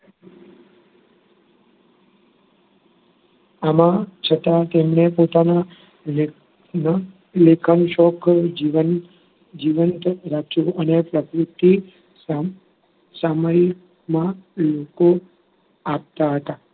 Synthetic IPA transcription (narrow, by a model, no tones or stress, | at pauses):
amãt͡ʃʰət̪at̪emnepot̪ana | n | lekʰanũʃɔkʰd͡ʒʋən | d͡ʒiʋənt̪ɾat͡ʃũənepɾəkɾut̪ːi | saməɾik | mãloko | ap̚t̪aɦət̪a